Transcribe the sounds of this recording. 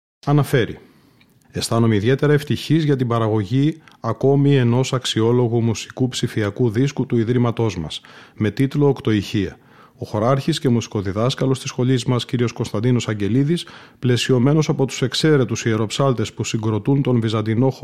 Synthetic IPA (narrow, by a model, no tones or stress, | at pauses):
ɐnɐfe̞ɾḭ | e̞st̪ɐno̞meiðe̞t̪e̞ɾɐe̞ft̪içizʝɐt̪ibɐɾɐɣo̞ʝiɐko̞mie̞no̞sɐksio̞lo̞ɣumusi̥kupsifiɐkuðiskut̪uiðɾimɐt̪o̞zmɐ̰sme̞t̪it̪lo̞ːkt̪o̞içiɐ̰ | o̞xo̞ɾɐɾçisce̞musi̥ko̞ðiðɐskɐlo̞st̪isxo̞ʎizmɐsciɾio̞sko̞nst̪ɐnd̪ino̞sɐɲɟe̞liðis | ple̞sio̞me̞no̞sɐpo̞t̪u̥se̞kse̞ɾe̞t̪usie̞ɾo̞psɐlt̪e̞spusiŋɡɾo̞t̪unt̪o̞nvizɐnd̪ino̞x